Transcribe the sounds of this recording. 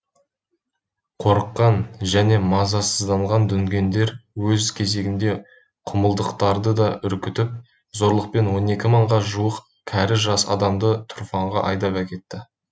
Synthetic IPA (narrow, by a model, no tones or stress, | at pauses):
qʰo̞ɾəqːɑnʒæne̞mɑzɑsəzd̪ɑɴʁɑnd̪ʏŋɡʲe̞nd̪e̞ɾwɵzkʲʰe̞ze̞ɡʲɪnd̪e̞ | qʰʊməlˠd̪əqt̪ɑɾd̪əd̪ɑʔʏɾkʲɪt̪ɪp̚ | zo̞ɾlˠəq̚pe̞nwo̞ne̞kʲɪməɴʁɑʒuəq | kʲʰæɾɪʒɑsɑ̰d̪ɑmd̪ət̪ʰʊɾfɑɴʁɑʔɑ̰jd̪ɑpækʲe̞t̪ːɪ